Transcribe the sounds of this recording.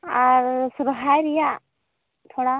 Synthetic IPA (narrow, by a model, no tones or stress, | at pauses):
aɾsuɾɦajɾija | t̪ʰoɽa